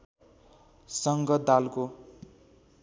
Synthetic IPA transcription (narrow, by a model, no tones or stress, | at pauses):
sʌŋɡʌd̪alko